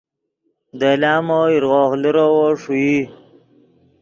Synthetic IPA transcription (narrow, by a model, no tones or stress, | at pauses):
d̪elaːmoiɾɣoːxliɾowoʂuji